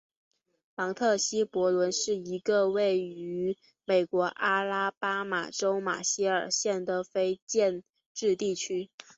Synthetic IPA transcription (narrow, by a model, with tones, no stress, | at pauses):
mɑ˧˥ŋt̪ʰɤ˥˩ɕi˥pwɔ˧˥lwə˧˥nʂɻ̩˥˩i˧˥ɡə˧we˥˩ɪy˧˥ | me˨˩ɪkwɔ˧˥ʔa˥la˥pa˥ma̰˨˩ʈ͡ʂo˥ʊma̰˨˩ɕi˥ə˞˨˩ɕjɛ˥˩nd̪ə˩fe˥ɪt͡ɕjɛ˥˧n | ʈ͡ʂɻ̩˥˧t̪i˥˩t͡ɕʰy˥